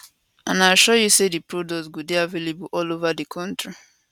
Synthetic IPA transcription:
ãnaʃɔjusedipɹodɔsɡudeavelebuʔɔlovadikʰɔ̃ntɹi

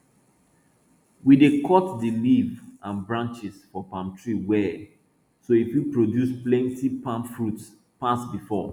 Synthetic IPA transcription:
widekʰɔtdilivãnbɹãnt͡ʃisfɔpãmp̚tʰɹiwɛ | soifjupɹodjusplɛ̃ntipãmpfɹut | pasbifɔ̰

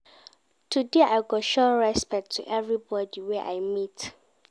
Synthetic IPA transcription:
tʰudeʔajɡɔtʃɔɹɛspɛk̚tʰːṵʔɛvɹibɔdiwɛʔa̰jmit

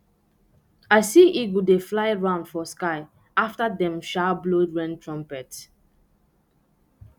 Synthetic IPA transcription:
aɪsiʔiɡudeflaɪɹãʊ̃nd̥fɔskaɪ | aftadɛ̃mʃablodɹɛ̃ntʰɹɔ̃mpɛt

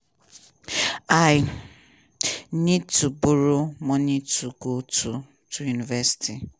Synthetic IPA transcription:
aɪj | nid̚tubuɾomɔnituɡotʰu | tujunivɛsi̥ti

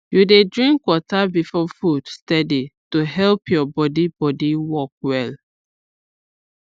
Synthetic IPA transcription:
judedɹĩŋkːwɔtabifɔfud̥stɛdituɦɛlpjɔbɔdibɔdiwɔk̚wɛl

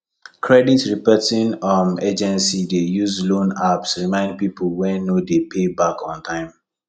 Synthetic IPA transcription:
kʰɹɛditɹipɛtĩnɔmed͡ʒɛ̃nsidejuzlõnapsɹimãɪ̃nd̚piplwɛ̃nːodepʰebakʰɔ̃ntʰãɪ̃m

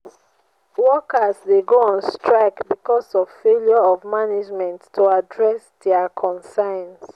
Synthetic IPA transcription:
wɔkasdeɡoɔ̃nstɹaɪkbikɔsɔv̥feljɔɔvmanid͡ʒmɛ̃nttʰːoadɹɛsdɛakʰɔ̃nsãɪns

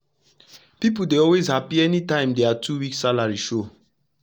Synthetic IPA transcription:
pipudeɔlwezhapiɛnitãɪ̃mdeatʰuwiksalaɹiʃo

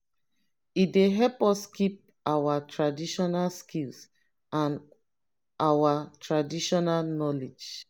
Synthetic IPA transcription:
ideɦɛlpɔskip̚ | awatʰɹadiʃɔnalskils | ãn | ʔawatʰɹadiʃɔnalnɔled͡ʒ

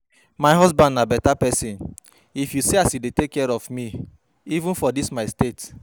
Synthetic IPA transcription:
maɪjɦɔzbãndnabɛtapɛsĩn | ifjuseasidetekːɛɹɔvmi | ivũnfɔdismaɪstet

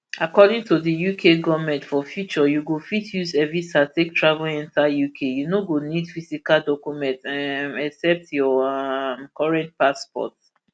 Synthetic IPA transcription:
akɔdĩŋtʰudəjukʰeɡɔvmɛ̃ntfɔfjut͡ʃɔjuɡofitʰjusɛvisatʰek̚tɹavɛlɛ̃ntajukʰejunoɡonidfisikaldɔkjumɛ̃ntãɛksɛp̚tjɔmkʰɔɹɛ̃nt̚paspɔ̰t

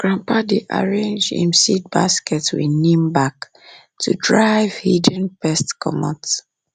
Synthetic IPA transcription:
ɡ̥ɹãmpadeʔa̰ɹẽnd͡ʒḭ̃msid̚baskɛtwḭnĩmbak | tʰudɹaɪv̥hidə̃npɛstkʰɔ̰mɔ̰̃t

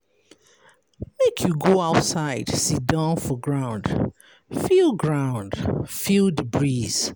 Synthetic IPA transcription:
mekʰjuɡoaʊtsaɪd̥sidãnfɔɡɹãʊ̃nd̥ | filˠɡɹãʊ̃nd̥filˠdəbɹiz̥

